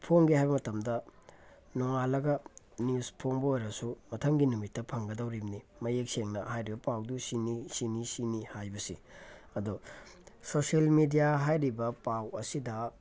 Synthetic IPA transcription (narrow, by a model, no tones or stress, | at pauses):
pʰoŋɡihajbɐmɐtɐmdɐ | noŋalɐɡɐ | nuspʰoŋbɐojɾɐsumɐtʰɐŋɡinumitːɐpʰɐŋɡɐdɐwɾimnimɐjek̚seŋnɐhajɾibɐpawdusinisinisinihajbɐsḭ | ɐdu | soselmidijaɦajɾibɐpawɐsidɐ